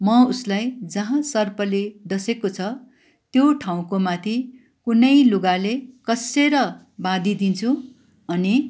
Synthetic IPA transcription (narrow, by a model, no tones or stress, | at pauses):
mʌuslajd͡zʌɦãsʌrpʌleɖ̪ʌsekot͡sʰʌ | t̪joʈʰaw̃komat̪ʰi | kunʌjluɡalekʌseɾʌ | bãd̪id̪int͡sʰu | ʌni